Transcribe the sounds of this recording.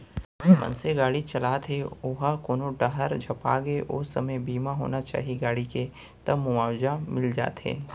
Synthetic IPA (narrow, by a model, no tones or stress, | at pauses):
mɐ̰̃nseɡaːɽit͡ʃɐlaːt̪ʰeoɦakoːnoʈəɦəɾd͡ʒʱɐpa̰ːɡeʔʊ̰sɐməjbiːmaɦo̰ːnat͡ʃa̰ːɦiɡaːɽike | t̪ɐbmʊmaːwd͡ʒamɪld͡ʒa̰ːt̪ɦḛː